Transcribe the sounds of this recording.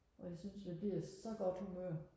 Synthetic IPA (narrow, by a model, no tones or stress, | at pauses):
ʔɒ̽jɑsynsʋeb̥liɐsɒ̽ɡ̥ɒd̥humøːɐ